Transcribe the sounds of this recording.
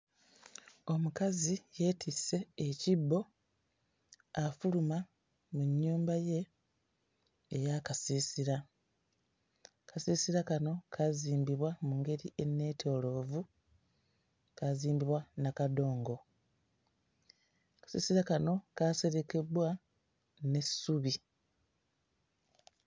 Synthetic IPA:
o̞mukazije̞ːtʰise̞ːcibːo̞ | afuluma | muɲːuːmbaje̞ | jakasiːsiɾa | kasiːsiɾakano̞kʰaziːmbiβwamuŋɡe̞ɾie̞nːe̞ːtʰo̞ːlo̞ːvu | kaziːmbiβwanakado̞ːŋɡo̞ | kḁsḭːsiɾakano̞kaːse̞ɾe̞ke̞bwa | ne̞suβi

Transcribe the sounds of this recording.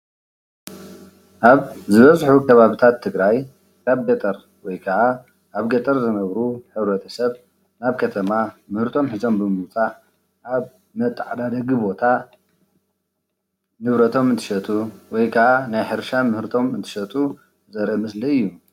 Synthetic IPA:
ʔaβzɨβɐzħukʰɐβaβit̪ʰat̪ʰːɨɡɾaj | kʰaβɡɐt̪ʼɐɾ | wɔjkʰɐʕa | ʔaβɡɐt̪ʼɐɾzɨnɐβɾuħɨβɾɐt̪ʰɐsɐβ | naβkʰɐt̪ʰɐmamɨhɾt̪ʰo̞mħɨzo̞mbɨmɨwt͡sʼaʕ | ʔaβ | mɐt̪ʼːaʕad̪ad̪ɐɡibo̞t̪ʰa | nɨβɾɐt̪ʰo̞mɨnt̪ʰɨ̥ʃɐt̪ʼuwɔjkʰɐʕanajħɨɾʃamɨhɾt̪ʰo̞mɨnt̪ʰɨ̥ʃɐt̪ʼu | zɐɾʔmɨsliɨjːu

